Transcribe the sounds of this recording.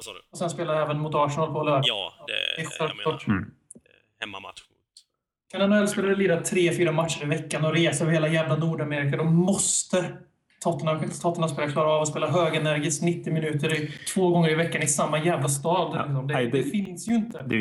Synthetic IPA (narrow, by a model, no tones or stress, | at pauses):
ɔsɛnspeːlajɛːvənmʊt̪ɑːʂnɑːlpʰɔlœːɖ̪ | ɛfɛllɑːʈ | kʰananɛlːspeːlaɾəliːd̪at̪ʰɾeːfyːɾamat̪ʂəɾɪvɛkːanɔɾeːsavheːlajæːvlanuːɖameːɾɪkad̪ɔmːɔst̪ə | t̪ʰɔt̪ːənaɧɪnt̪ə̥t̪ʰɔt̪ːənas̬peːlakʰlɑːɾaɑːvɔspeːlaɦøːɡɛnæɾɡɪst̪nɪt̪ːɪmɪnʉ̟ːt̪əɾɪt̪ʰv̥oːɡɔŋːəɾɪvɛkːanɪsamːajæːvlast̪ɑːd̪ɪks̬ɔmd̪ɛɛfɪnsjɵɪnt̪ə